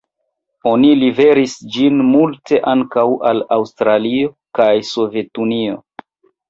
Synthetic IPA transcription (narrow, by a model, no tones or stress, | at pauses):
o̞nilive̞ɾisd͡ʒinmultʰe̞ʔaŋkawalawstɾalio̞ | kajso̞ve̞tunio̞̰